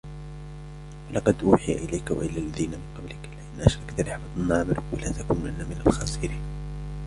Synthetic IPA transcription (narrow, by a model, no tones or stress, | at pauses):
walɑqɑd̪ʔuːħɪja̰ʔɪlajkwa̰ʔɪlːaːlːaðiːnamɪnqɑblɪklɪʔanːʔaʃɾˤɑkt̪lɪħlɑt̪nːaʕbɾwalaːt̪akuːnʔanːamɪna̰lxɑːsˤɪɾiːn